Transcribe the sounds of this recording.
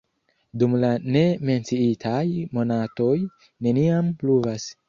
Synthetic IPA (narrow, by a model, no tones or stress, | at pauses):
dumlane̞me̞nt͡siitʰajmo̞nato̞j | ne̞niampluvas